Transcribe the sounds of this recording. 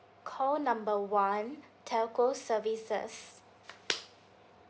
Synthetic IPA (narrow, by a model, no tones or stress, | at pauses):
kʰɔlnãmbəwãn | tʰɛlkosəvisə̰s